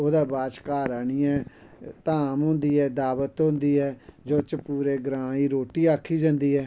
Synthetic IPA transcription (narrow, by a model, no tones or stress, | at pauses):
oːd̪aːbaːt͡ʃkaːɾaːɳiːɛː | t̪aːmɦʊ̃nd̪iːɛːd̪aːʋət̪ɦʊ̃nd̪iːɦɛːd͡ʒoːt͡ʃəpuːɾeːɡɾãːiːɾoːʈiːaːkʰːiːd͡ʒãːnd̪iːɦɛː